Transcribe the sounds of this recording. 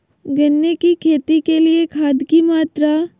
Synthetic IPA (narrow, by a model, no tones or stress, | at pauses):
ɡɐnːekikʰeːt̪ikeliekʰaːd̪kimaːt̪ɾa